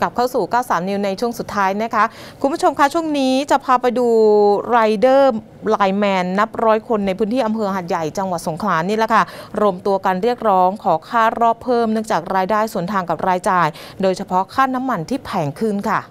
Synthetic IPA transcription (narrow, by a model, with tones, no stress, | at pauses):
ka˨˩p̚kʰaː˥˩wsuː˨˩kaː˥˩wsaː˩˦mni˧wna˧jt͡ɕʰu˥˩əŋsu˨˩t̪ʰːaː˦˥jna˦˥kʰa˦˥ | kʰu˧mbʰu˥t͡ɕʰo˧mkʰa˦˥t͡ɕʰu˥˩əŋniː˦˥t͡ɕa˨˩pʰaː˧pa˧jduː˧ɾaː˧jdɤː˥˩ | laː˧jmɛː˧nːa˦˥p̚ɾɔː˦˥jkʰo˧nːa˧jpʰɯː˦˥nt̪ʰiː˥˩ʔa˧mpʰɤː˧ɦa˨˩t̪̚ja˨˩jt͡ɕa˧ŋwa˨˩t̪̚so˩˦ŋkʰlaː˩˦niː˥˩lɛ˨˩kʰa˥˩ɾoː˧mt̪u˧ɐkaː˧nɾi˥˩ək̚ɾɔː˦˥ŋkʰɔː˩˦kʰaː˥˩ɾɔː˥˩pʰːɤː˥˩mnɯ˥˩əŋt͡ɕaː˨˩k̚ɾaː˧jdaː˥˩jsu˨˩˦ənt̪ʰaː˧ŋka˨˩p̚ɾaː˧jt͡ɕaː˨˩j | doː˧jt͡ɕʰa˧pʰɔ˦˥kʰaː˥˩na˦˥mːa˧nt̪ʰiː˥˩pʰɛː˩ŋkʰɯ˥˩nkʰa˥˩